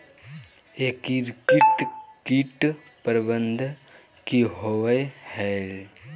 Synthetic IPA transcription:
ekiɾkiʈ̪kiʈ | pəɾbənd̪ʱ | kiɦoʋəjhɛl

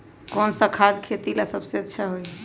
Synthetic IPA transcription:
kɔnsəkʰad̪kʰet̪ilasəbseətːʃʰaɦoj

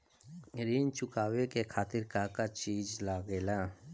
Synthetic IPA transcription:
ɾiːnt͡ʃʊkaːwekekʰaːt̪ɪɾkakat͡ʃiːd͡ʒlaːɡeːlaː

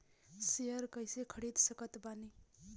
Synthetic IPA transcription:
sejəɾkʌjsekʰəɽid̪sʌkət̪bani

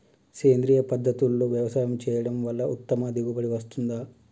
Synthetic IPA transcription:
keːnd̪ɾiːjɐpɐd̪ʱːɐt̪ulːoːʋjɐʋɐsaːjɐmt͡ʃɛːjɐɽɐmʋɐlːɐʔut̪ːɐmɐd̪iɡubɐɽiʋɐst̪und̪aː

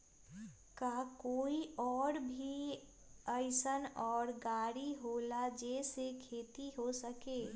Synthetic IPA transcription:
kakoːiɔːɾbʱi | əɪsənɔːɾɡaːɾiɦoːlad͡ʒɛːsekʰeːt̪iɦosəkeː

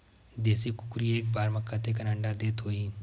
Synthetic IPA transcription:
d̪eːsikʊkɾieːkbaːɾməkːat̪ek̬ɐnə̃ɳɖad̪eːt̪ɦoːiː

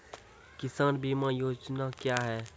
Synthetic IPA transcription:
kɪsaːnbʱimãjoːd͡ʒnakjaɦɛː

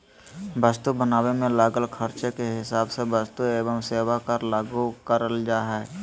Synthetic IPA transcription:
bəst̪ubənaːwemẽlaːɡəlkʰəɾt͡ʃekeɦɪsaːbsebəst̪ueːbəmseːwakəɾlaːɡukəɾəld͡ʒaːɦɛː

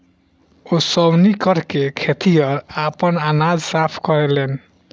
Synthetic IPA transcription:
osɔwnikɔɾkekʰet̪ijɔɾapɔnanad͡ʒsapʰkɔɾelen

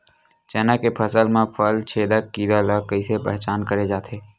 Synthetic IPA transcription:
t͡ʃɛːnakepʰəsəlmẽpʰəlt͡ʃʰeːd̪əkːiːɾaləkːəisepɛɦt͡ʃaːnkəɾed͡ʒaːt̪ʰeː

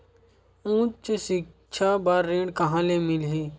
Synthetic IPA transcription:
ũːt͡ʃsɪk̚ | t͡ʃʰabaɾːeːɖkɐɦãːlemɪlɦeː

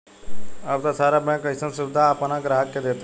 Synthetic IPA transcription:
ɐbt̪asaːɾamɛ̃kəɪsənsʊbɪd̪ʱaːpnaɡɾaɦəkːed̪eːt̪a

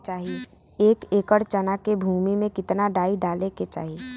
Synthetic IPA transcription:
t͡ʃaːɦie | eːkeːkəɽt͡ʃənakebʱuːmimẽkɪt̪naɖaːiɖaːleket͡ʃa̰ːɦi

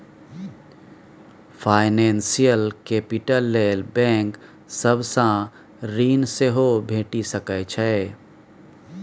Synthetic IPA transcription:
pʰaːɪnensijəlkeːpiʈəlːeːlbɛ̃ːŋk | səbʱsã | ɾiːnseɦobʱeːʈisəkɛt͡ʃʰɛː

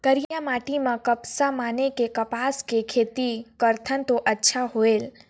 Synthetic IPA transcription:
kəɾijjamaʈimãkəpsamanekekəpaskekʰet̪ikəɾt̪ʰənt̪oʔətːʃʰaɦoel

